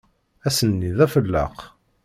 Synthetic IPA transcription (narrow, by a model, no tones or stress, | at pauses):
æsənːiðæfəlːə̰q